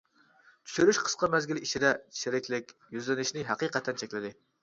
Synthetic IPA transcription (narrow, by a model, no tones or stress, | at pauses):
t̪ʰy̥ʃyɾyʃqʰə̥sqɑmɛzɡʲiliʃʰid̪ɛʃʰeɾɪkʲlɪkʲjyzlɪnɪʃnɪɦæqiqɛt̪ʰːɛnt͡ʃʰɛkʲlɪd̪ɪ